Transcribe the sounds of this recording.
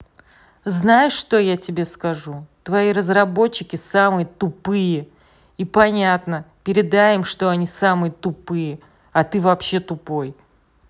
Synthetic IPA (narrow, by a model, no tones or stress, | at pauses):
znajɪʂːt̪o̞jatʲɪbʲe̞skɐʐut̪vɐiɾəzrɐbo̞t͡ɕːɪkʲɪsamɨjət̪ʊpɨjə | ipɐnʲat̪nəpʲɪɾʲɪd̪ajɪmʂt̪o̞ɐnʲisamɨjət̪ʊpɨjə | ɐt̪ɨvɐpɕːe̞t̪ʊpo̞j